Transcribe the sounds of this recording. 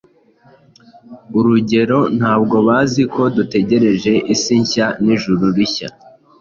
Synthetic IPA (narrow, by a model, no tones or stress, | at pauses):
uɾuɟe̞ɾo̞n̥haːbɡo̞βaːzikʰo̞dute̞ɟe̞ɾe̞ʒe̞ʔisiɲçaniʒuɾuɾiça̰